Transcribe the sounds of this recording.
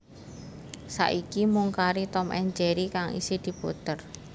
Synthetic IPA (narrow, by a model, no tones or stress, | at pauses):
sa̰ʔikimuŋkaɾit̪ɔmʔɛɲd͡ʒɛɾikaŋʔḭsid̪̥i̤b̥ot̪ər